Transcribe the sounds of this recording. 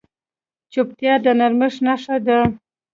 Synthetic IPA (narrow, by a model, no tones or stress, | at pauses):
t͡ʃop̚t̪jɑd̪ənaɾməʂnaʂad̪ə